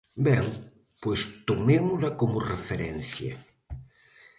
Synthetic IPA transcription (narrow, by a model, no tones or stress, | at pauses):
bɛŋ | pwest̪omemʊlakomʊrefeɾɛn̟θja̰